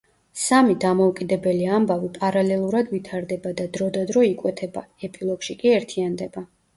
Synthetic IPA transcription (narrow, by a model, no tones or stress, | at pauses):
samid̪amɔukʼid̪ɛbɛliambavipʼaɾalɛlˠuɾad̪vit̪ʰaɾd̪ɛbad̪ad̪ɾɔd̪ad̪ɾɔikʼwɛt̪ʰɛba̰ɛpʼilˠɔɡ̥ʃikʼiɛɾt̪ʰiand̪ɛba